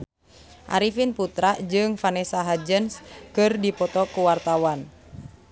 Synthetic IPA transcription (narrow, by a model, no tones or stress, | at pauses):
ʔa̰ɾifinput̪ɾad͡ʒɨŋfanɛsaɦad͡ʒənskɨrdipɔt̪ɔkuwart̪awan